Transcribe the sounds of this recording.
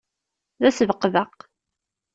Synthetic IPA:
ðæsəvəqːðɑq

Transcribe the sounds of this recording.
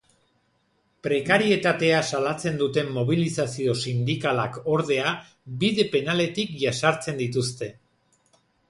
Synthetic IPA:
pɾe̞kaɾie̞t̪at̪e̞asalat͡se̞nd̪ut̪e̞mːo̞β̞ilisasio̞sind̪ikalako̞ɾð̞e̞a | biðe̞pe̞nale̞t̪ikʝasaɾt͡se̞nd̪it̪ust̪e̞

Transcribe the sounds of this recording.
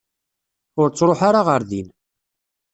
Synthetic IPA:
ʊɾt͡sːɾˤoħaɾaʁəɾðin

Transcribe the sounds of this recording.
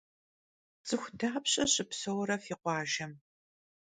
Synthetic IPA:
t͡sʼɨxʷdaːpɕʼɐɕʼɪpsowɾɐfiːqʷɑːʒɐm

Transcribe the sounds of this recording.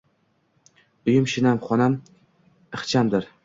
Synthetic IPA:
ʊjɪmʃɪnamχɒnam | ɨχt͡ʃʰamd̪ɪɾ

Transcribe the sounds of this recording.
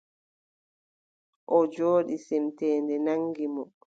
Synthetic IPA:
ʔɔd͡ʒoːɗisɛmtɛːndɛnaŋɡimɔ

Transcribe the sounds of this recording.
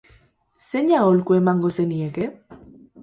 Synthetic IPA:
se̞ɲaolkue̞maŋɡo̞se̞nieke

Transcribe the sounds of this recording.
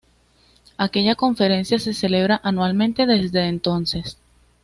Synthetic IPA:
ake̞ʝako̞ɱfe̞ɾe̞nsjase̞se̞le̞β̞ɾaʔanwalmẽnt̪e̞ðe̞zd̪e̞ːnt̪o̞nse̞s

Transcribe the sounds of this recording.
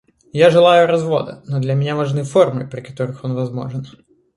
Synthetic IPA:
jaʐɨlˠajʊɾɐzvo̞̰d̪ɐ̰nod̪lʲɐmʲɪnʲavɐʐnɨfo̞rmɨpɾʲɪkɐ̥t̪o̞ɾɨxo̞nvɐzmo̞̰ʐɨn

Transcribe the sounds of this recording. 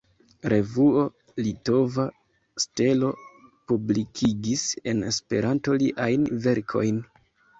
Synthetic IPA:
ɾe̞vuo̞ | lito̞va | ste̞lo̞publikʰiɡise̞ne̞spe̞̰ɾanto̞liʔajnve̞ɾkʰo̞̰jn

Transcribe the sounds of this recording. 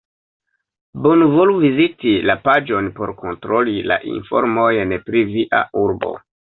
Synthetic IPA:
bonuvoluvizitilapad͡ʒo̞npo̞ɾko̞ntɾo̞lila̰ʔḭnfo̞̰ɾmo̞jenepɾiviʔa̰ʔuɾbo̰

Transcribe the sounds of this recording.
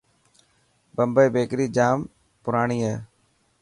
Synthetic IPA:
bəmbəːbeːkɾiːd͡ʒaːm | pʊɾaːɳiːɦeː

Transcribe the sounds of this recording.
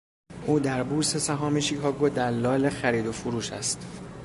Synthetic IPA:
ʔuːd̪æɾbuɾse̞sæɦɒːmeʃiːkʰɒːɡod̪æɾlːɒːlexæɾiːd̪ofuɾuːʃæ̰st̪

